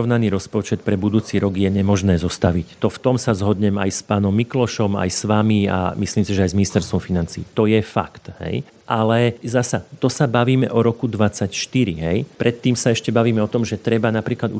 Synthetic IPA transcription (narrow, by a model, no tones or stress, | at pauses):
ɔʋnaniːɾɔspɔt͡ʃɛt̪̚pɾɛbud̪uːt͡siːɾɔɡjɛɲɛmɔʒnɛːzɔst̪aʋict̪ɔft̪ɔmsazɦɔd̪ɲɛma̰jspaːnɔmːiklɔʃɔma̰jsʋamia̰misliːmsiʒɛajzminist̪ɛɾst̪ʋɔmfinant͡sḭːt̪ɔjɛfa̰kt̪hɛ̰j | ʔalɛzasat̪ɔsabaʋiːmɛʔɔɾɔkud̪ʋat͡sacʃt̪iɾḭɦɛjpɾɛt̪ːiːmsaɛʃcɛbaʋiːmɛɔt̪ɔmʒɛt̪ɾɛbanapɾiːklad̪u